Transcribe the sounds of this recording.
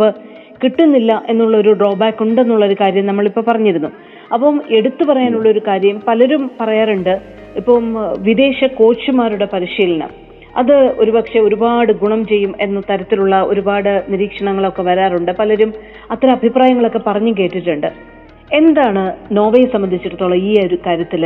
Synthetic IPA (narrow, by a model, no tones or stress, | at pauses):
ɨ | kiʈːunːilːɐʔe̞nːuɭːɐo̞ɾuɖro̞ːbaːkːuɳɖe̞nːuɭːɐo̞ɾukaːɾjɐmnɐmːɐɭipːo̞ːpɐrɐɲːiɾunːu | ɐpːɐme̞ɽut̪ːupɐrɐjaːnuɭːɐo̞ɾukaːɾjɐmpɐlɐɾumpɐrɐjaːruɳɖɨ | ipːoːmʋid̪e̞ːɕɐko̞ːt͡ɕːumaːɾuɽe̞pɐɾiʂiːlɐnɐ̰m | ɐ̰ðɨo̞ɾupɐkʂe̞o̞ɾubaːɽɨɡuɳɐmt͡ɕe̞jːume̞nːɐt̪ɐɾɐt̪ːiluɭːɐo̞ɾubaːɽɨniɾiːkʂɐɳɐŋːɐɭo̞kːe̞ʋɐɾaːruɳɖɨpɐlɐɾum | ɐt̪ːɾɐɐbʱipraːjɐŋːɐɭo̞kːe̞pɐrɐɲːuke̞ːʈːiʈːuɳɖɨ | e̞nd̪aːɳɨno̞ːʋɐjsɐmːɐnd̪ʱit͡ɕːiʈːɐt̪ːoːɭːɐiːɾukaːɾjɐt̪ːil